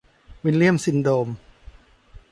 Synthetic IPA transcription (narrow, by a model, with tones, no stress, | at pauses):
wi˧nli˥˩əmsi˧ndoː˧m